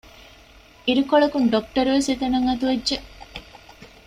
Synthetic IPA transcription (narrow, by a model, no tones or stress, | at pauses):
iɾukoɭɐkunɖok̚ʈɐɾuʋeset̪ɐnɐŋɐt̪uʋedːʒeʔ